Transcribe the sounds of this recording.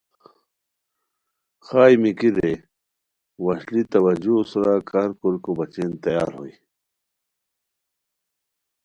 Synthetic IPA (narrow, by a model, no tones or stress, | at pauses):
xaːimikid̪e | wɐɕlit̪ɐwɐd͡ʑusɾakaɾkolkobɐt͡ɕent̪ɐja̰ːɾɦo̰i